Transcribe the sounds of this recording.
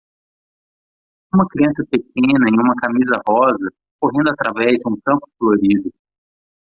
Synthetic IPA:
ũmɐkɾiɐ̃sɐpekʰẽnɐẽj̃ũmɐkamizɐhɔzɐ | koɦẽnd̪ʊat̪ɾavɛzd͡ʒɪũkɐ̃mpʊ̥floɾid̪ʊ

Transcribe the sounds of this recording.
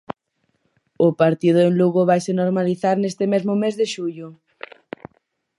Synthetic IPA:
ʊpaɾt̪ið̞ʊenluɣoβajsenoɾmaliθaɾnest̪ɪmezmʊmezðeʃuʎʊ

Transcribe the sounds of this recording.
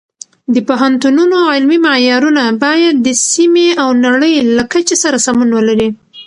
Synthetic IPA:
d̪əpaɦant̪ununoalmimajɑɾunabɑjad̪̚ːəsimeawnaɽəjlakat͡ʃesaɾasamunwəlaɾi

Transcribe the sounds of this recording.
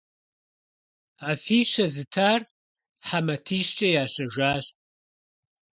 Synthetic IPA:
aːfiːʃɐzɨtʰaːr | ħamɐtʰiːʃt͡ʃʼɐjaːɕɐʒʷaːɕ

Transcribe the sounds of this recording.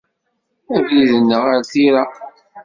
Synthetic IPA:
ævjiðənːəʁaɾθiɾa

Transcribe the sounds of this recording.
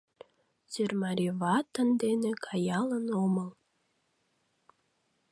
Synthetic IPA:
sørmɑɾʲiβɑt̪ə̆nd̪enekʰɑjɑlənoməl

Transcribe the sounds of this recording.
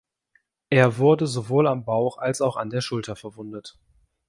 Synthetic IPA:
ʔeːɐvʊɐdəzovoːlambaʊxalsaʊxa̰ndeːɐʃʊltʰɐfɛɐvʊndət

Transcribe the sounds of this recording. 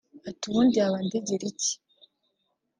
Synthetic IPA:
atuβundiaβandeɟeɾici̥

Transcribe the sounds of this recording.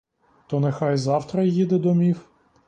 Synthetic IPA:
t̪ɔnexɑjzɑwt̪ɾɐjid̪ɛd̪ɔmʲiw

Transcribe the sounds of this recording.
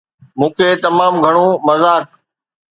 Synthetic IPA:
mũːkʰeːt̪ɐmaːmɡʱɐɽ̃õːmɐzaːk

